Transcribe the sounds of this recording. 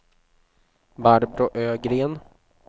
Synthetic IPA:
baɾbɾʊʔøːɡɾeːn

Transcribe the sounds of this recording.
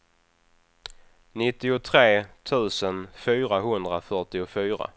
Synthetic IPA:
nɪt̪ːɪʊt̪ʰɾeːt̪ʰʉ̟ːsənfyːɾaɦɵnd̪ɾafœʈɪʊfyːɾa̰

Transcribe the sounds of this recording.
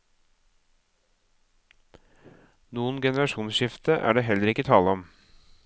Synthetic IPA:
nuːənɡɛnəɾɑʃuːnsʃɪft̪əʔæ̰ːɖeːɦɛləɾɪkːət̪ʰɑːləɔm

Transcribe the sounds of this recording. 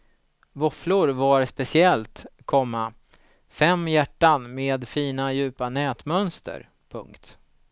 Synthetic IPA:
vɔflʊɾvaɾspɛsɪɛlt̪kʰɔmːa | fɛmːjæʈːanmeːd̪fiːnajʉ̟ːpanɛːt̪mœnst̪ə̰ɾ | pʰɵ̰ŋkt̪

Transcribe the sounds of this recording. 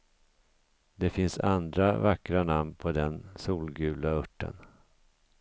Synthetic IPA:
d̪ɛfɪnsa̰nd̪ɾavakːɾanamnpʰɔd̪ɛnsuːlɡʉ̟ːlaɵʈːə̰n

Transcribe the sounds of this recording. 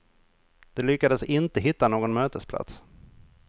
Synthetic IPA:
d̪̥ɛlʏkːad̪əsɪnt̪əɦɪt̪ːanoːɡɔnmøːt̪əspʰla̰t̪s

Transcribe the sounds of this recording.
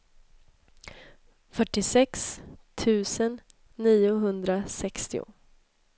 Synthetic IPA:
fœʈːɪsɛkst̪ʰʉ̟ːsənː | iːʊɦɵnd̪ɾasɛkst̪ɪʊ̰

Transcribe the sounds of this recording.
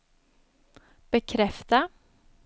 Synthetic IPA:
b̥əkʰɾɛft̪ə

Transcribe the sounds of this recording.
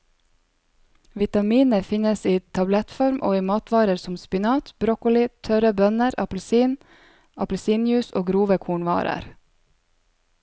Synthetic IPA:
ʋɪt̪ɑmiːnəfɪɲəsiːt̪ʰɑblɛt̪fɔɾmʔo̰ːiːmɑːt̪ʋɑːɾəɾsʊmspɪnɑːt̪bɾɔkʊlɪt̪ʰœɾəbœnəɾɑpl̩siːn | ɑpl̩siːnjʉːsoːɡɾuːʋəkʰuːɳʋɑ̰ːɾə̰ɾ

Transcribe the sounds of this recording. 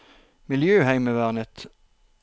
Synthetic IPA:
mɪljøːhæɪməʋæʁnət̪

